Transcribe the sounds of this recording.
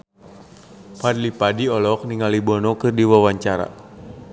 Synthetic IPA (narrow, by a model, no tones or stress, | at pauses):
padlipadiɔlɔk̚niŋalibɔnɔkɨrdiwawaɲt͡ʃaɾa̰